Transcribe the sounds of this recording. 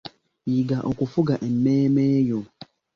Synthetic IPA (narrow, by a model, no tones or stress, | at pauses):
jiɡaʔɔkʷʊfʊɡaʔem̩meːmeːjo